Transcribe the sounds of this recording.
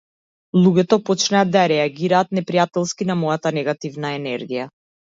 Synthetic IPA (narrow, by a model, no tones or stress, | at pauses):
lˠuɡʲɛt̪ɔpɔt͡ʃnaad̪̚d̪ːajaɾɛaɡʲiɾaːt̪̚nɛpɾijat̪ɛlˠskinamɔjat̪anɛɡat̪ivnaɛnɛɾɡija